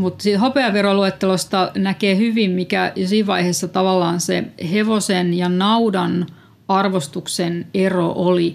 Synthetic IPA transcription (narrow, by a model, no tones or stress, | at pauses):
mut̪sit̪hopeɑʋeroluet̪ːelost̪ɑnækeːhyʋimmikæjsiːʋʋɑiheːsːɑt̪ɑʋɑlːɑːnseheʋosenjɑnɑudɑn | ɑrʋost̪ukseneroʔoli